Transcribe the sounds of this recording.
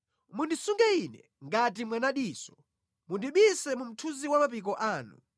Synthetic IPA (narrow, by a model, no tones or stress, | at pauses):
mundisuŋɡɛinɛ | ŋɡat̬imwanaɗiːsɔ̥ | mundiɓisɛmum̩tʰuziwamapik̬ɔʔaːnṵ